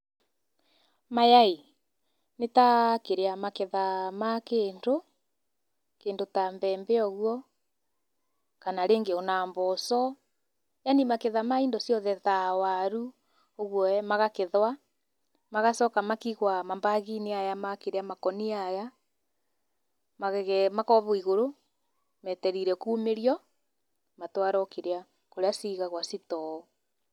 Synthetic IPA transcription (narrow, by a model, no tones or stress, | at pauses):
majai | netakeɾeamakeðamakeːndo | keːndotambɛːmbɛɔɣwɔ | kanaɾeːŋɡeonambɔsɔ | janimakeðamaindɔsjɔðɛðawaɾu | oɣwɔmaɣakeðwa | maɣasɔkamakiɣwamambaɣiniajamakeɾeamakɔniaja | maɣɛmakɔβɔiɣoɾo | mɛtɛɾiɾɛkuːmeɾiɔ | matwaɾɔkeɾea | koɾeasiɣaɣwasitɔ